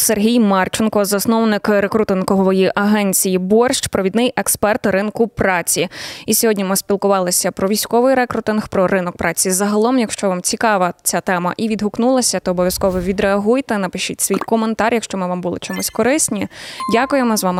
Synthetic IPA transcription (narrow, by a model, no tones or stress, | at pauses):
serɦʲijmɑrt͡ʃɪnkɔzɐsnɔwnɪkɾekɾut̪ɪnkɔɦɔʋɔjiʔɐɦɛnʲt͡sʲijibɔrʃt͡ʃpɾɔʋʲid̪nɪjʔekspɛrt̪ɾɪnkʊpɾɑt͡sʲiisʲɔɦɔdʲnʲimɪspʲilˠkʊʋɑlˠɪsʲɐpɾɔʋʲijsʲkɔʋɪjɾɛkɾʊt̪ɪnxpɾɔɾɪnɔk̚pɾʔɑt͡sʲizɐɦɐlˠɔmjɐkʃt͡ʃɔʋɑmt͡sʲikɑʋɐt͡sʲat̪ɛmɐ̰ʔiʋʲid̪ɦʊknulˠɐsʲɐt̪ɔːbɔʋʲjɐskɔʋɔʋʲid̪ɾeɐɦujt̪ɛnɐpɪʃitʲsʲʋʲijkɔment̪ɑrʲjɐkʃt͡ʃɔmɪʋɑmbulˠɪ̰t͡ʃɔmusʲkɔɾɪsʲnʲidʲakʊjemɔzʋɑmɪ